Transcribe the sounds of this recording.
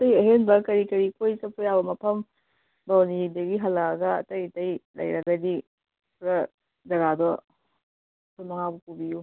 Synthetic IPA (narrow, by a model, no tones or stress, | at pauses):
tɐjɐɦenbɐkɐɾikɐɾikʰojsɐpʰujabɐmɐpʰɐm | bawnidɐɡiɦɐlːɐɡɐ̰ːtɐjtɐjlʔɐ̰jɾɐɡɐdi | pɾɐ | dɐɡadɔ | pʰunmɐŋabukubiju